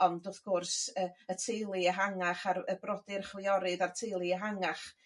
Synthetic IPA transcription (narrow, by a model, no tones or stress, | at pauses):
ɔndʊθɡ̥ʊrsəətʰejlˠɨəɦaŋaχarəbrɔdɪrχwɪɔɾɨdartʰejlˠɨəɦaŋaχ